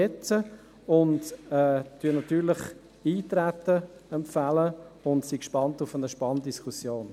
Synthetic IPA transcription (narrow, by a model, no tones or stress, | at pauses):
ɛt͡sə | ʊndɛːtyənɑtyːɾlɪχ | iːtɾætːəɛmpfæləʊntsikʃpɑntʊfənəʃpɑndiskʰusjoːn